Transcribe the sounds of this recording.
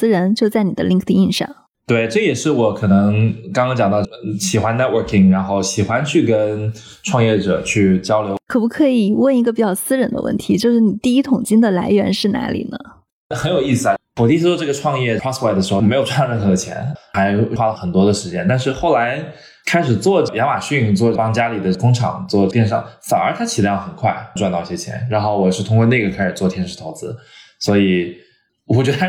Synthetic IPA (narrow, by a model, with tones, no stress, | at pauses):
sɹ̩˥ɻə˧˥nt͡ɕjo˥˧ʊt͡sa˥˩ɪni˨˩d̪ə̰˦li˥˧ŋkʰt̪ʰi˥˧i˥˧nʂɑ̰˥˩ŋ | t̪we˥˩ɪʈ͡ʂɤ˥˩jɛ˨˩ʂɻ̩˥˩wɔ˧˥kʰɤ˨˩nɤ˧˥ŋkɑ˥ŋkʰɑ˥ŋt͡ɕjɑ˨˩ŋt̪ɑ˥˧ʊɕi˨˩xwa˧˥nɛ˥t̚wə˨˧kʰi˨˩ŋɻa˧˥nxo˥˩ʊɕi˨˩xwa˥nt͡ɕʰy˥˩kə˥nʈ͡ʂʰwɑ˥˧ŋjɛ˥˩ʈ͡ʂɤ˨˩t͡ɕʰy˥˩t͡ɕjɑ˥ʊljo˧˥ʊkʰɤ˨˩pu˧˥kʰɤ˧˥i˨˩wə˥˩ni˧˥ɡə˧p̬i˨˩t͡ɕjɑ˥˩ʊsɹ̩˥ɻə˧˥nd̪ə̰˧wə̰˥˩nt̪ʰi˧˥t͡ɕjo˥˧ʊʂɻ̩˥˩ni˨˩t̪i˥˧i˥t̪ʰʊ˨˩ŋt͡ɕi˥ŋd̪ə˨la˧˥ɪɥɛ˧˥nʂɻ̩˥˩na̰˧˥lḭ˨˩nə̰˦ | xə˧˥njo˨˩ʊi˥˩sɹ̩˩a˧wɔ˨˩t̪i˥˧s̩˥t͡swɔ˥˧ʈ͡ʂɤ˥˩ɡə˩ʈ͡ʂʰwɑ˥˧ŋjɛ˥˩ɹɑ˥swɛ˥˩ɪəʂɻ̩˧˥xo˧˩me˧˥ɪjʊʈ͡ʂwa˥˧˥t͡ɕʰjɛ̰˧˥nxa˧˥ɪxwa˥lə˨xə˨˩nt̪wɔ˥d̪ə˨ʂɻ̩˧˥t͡ɕjɛ˥nt̪a˥˧nʂ̬ɻ̩˥˧xo˥˩ʊla˧˥ɪ | kʰa˥ɪʂɻ̩˨˩t͡swɔ˥˧ʈ͡ʂə˥˩jɑ˧˥ŋma˨˩ɕy˥˩ŋt͡swɔ˥˧pɑ˥ŋt͡ɕja˥li˨˩d̪ə˦kʊ˥ŋʈ͡ʂʰɑ̰˨˩˦ŋt͡swɔ˥˧t̪jɛ˥˧nʂɑ̰˥˩ŋfa˨˩nə˞˧˥t̪ʰa˥t͡ɕʰi˨˩˧xə˨˩nkʰwa̰˥˩ɪʈ͡ʂwa˥˧nt̪ɑ˥˧i˧ɕjɛ˥t͡ɕʰjɛ̰˧˥nɻa˧˥nxo˥˩ʊwɔ˨˩˨ʂɻ̩˥˩t̪ʰʊ˥ŋkwɔ˥˧ne˥˩ɪɡə˩kʰa˥ɪʂɻ̩˨˩t͡swɔ˥˩t̪ʰjɛ˥nʂɻ̩˥˩t̪ʰo˧˥t͡sɹ̩˧˥ | swɔ˧˥i˨˩ | wɔ˨˩t͡ɕɥɛ˧˥d̪ə˧